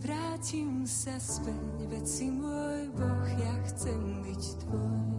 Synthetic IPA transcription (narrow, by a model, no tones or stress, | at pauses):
vɾaːcimsɛspɛɲvɛt͡simɔjbɔxjaxsɛmbict̪vɔjj